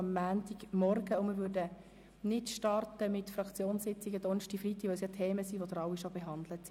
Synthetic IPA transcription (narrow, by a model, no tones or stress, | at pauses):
ɑmːæːntiɡmɔɾɡ̥əʊmɪɾʋøɾdə | nɪtʃtɑrtəmɪtfrɑkt͡sjoːnssɪt͡sɪɡədɔnʃtifrit̪ːiʋœwsjɑtʰeːməsiʋodɾɑʊwiʃobeɦɑnd̪lətsi